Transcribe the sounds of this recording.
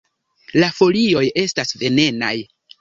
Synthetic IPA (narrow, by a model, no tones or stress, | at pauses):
lafo̞lio̞je̞stasve̞ne̞na̰j